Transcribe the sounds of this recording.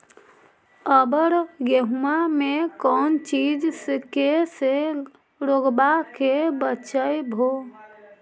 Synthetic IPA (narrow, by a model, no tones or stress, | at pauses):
əbəɾjeɦumamekɔːnt͡ʃid͡ʒskese | ɾoɡbakebət͡ʃəjbʱo